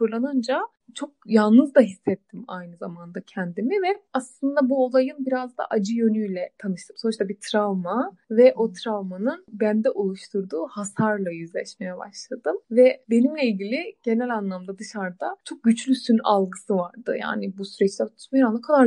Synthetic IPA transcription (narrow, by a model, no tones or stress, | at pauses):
fɯɾlˠanɯnd͡ʒa | t͡ʃʰo̞k̚jalˠnɯzd̪aɦisːɛt̪ʰːima̰jnɯzamand̪acʰɛnd̪imivɛaslˠɯnd̪abuo̞lˠajɯnbiɾazd̪a̰ʔad͡ʒɯjø̞nyjlʲɛt̪ʰanɯʃt̪ʰɯmso̞nuʃt̪abit̪ʰɾavma | vɛʔo̞t̪ʰɾavmanɯnbænd̪ɛʔolˠuʃt̪ʰuɾd̪uːhasaɾlˠajyzlʲɛʃme̞jɛba̰ʃlˠad̪ɯmvɛbe̞nimlʲɛilʲɟilʲiɟ̥e̞nɛlʲanlˠamd̪ad̪ɯʃaɾd̪at͡ʃʰo̞k̚ɟyt͡ʃlʲysyna̰lˠɡɯsɯvaɾd̪ɯ̰ja̰ːnɪbusyɾɛt͡ʃlʲɛt̪ʰu̥t̪maɾanˠakʰad̪a